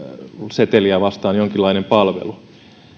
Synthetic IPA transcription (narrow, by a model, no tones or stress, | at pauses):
set̪eliæʋɑst̪ɑːnjoŋkilːˑɑinempɑlʋḛlu